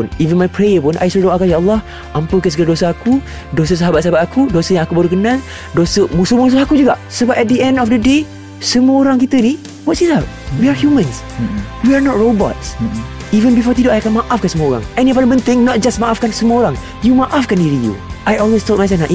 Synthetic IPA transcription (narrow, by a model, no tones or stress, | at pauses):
nivə̃nmajpɹejəpʊnʔa̰jsodoʔakajaəlːɔh | ʔãmpəkəsɡəldosəaku | dos̬əs̬aɦabat̚saɦabat̚akudosəjãŋakubəɾukənãl | dosəmusumus̬uhakud͡ʒuɡaʔsəbap̚ɛt̚dəɛ̃ndɔfdəde | səmuəoɾaŋkit̪əni | wɔtsizat̚wiahjumə̃ns | wianɔt̚ɹobɔ̰tsivə̃nbifɔt̪idoʔajakanmaʔafkɛ̃nsəməoɾa̰ŋɛ̃nĩap̬adəpə̃nt̪ɪ̃ŋnɔt̚d͡ʒasmaʔafkãnsəməoɾaŋ | jumaʔafkɛ̃niɹijṵʔajɔlwestɔt̚majs̬ɛfnaʔ